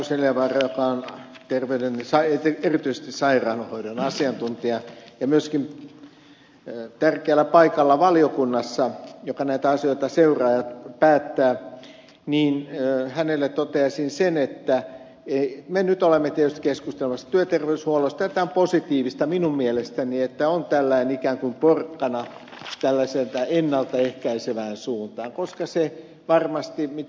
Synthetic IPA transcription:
useljɑʋɑrɑjokɑon | t̪erʋeydensɑet̪eerit̪yise̥st̪issɑirɑːnuhoiɾonɑsiɑnt̪unt̪iɑjɑmyøskim | t̪ærkeælːˑæpɑikɑlːɑʋɑliokunːɑsːɑjokɑnæit̪æɑsioˑit̪ɑseurɑːjɑt̪pæːt̪ːæː | niːnhænelːet̪t̪ot̪eɑsinsenet̪ːæ | eimenyt̪olemːet̪iet̪yst̪i̥keskust̪elĕmɑsːɑ̥t̪yøt̪erʋeyshuoloist̪æt̪æomposit̪iːʋist̪ɑminummielest̪æniet̪ːæont̪ælːæinikæːŋkumporkːɑnɑ | t̪ælːæselt̪æenːɑlt̪ɑehkæiseʋæːnsuːnt̪ɑːŋkoskɑse | ʋɑrmɑst̪imi

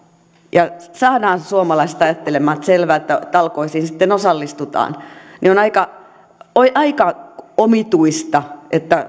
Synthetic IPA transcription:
jɑsɑːnɑːnsuomɑlɑist̪ɑjɑt̪ːelemːɑːt̪selʋæːet̪ːæt̪ɑlkoisiːnsit̪ːenosɑlːist̪ut̪ɑ̰ːnnionɑikɑ | oiʔɑikɑomit̪uist̪ɑʔet̪ːæ

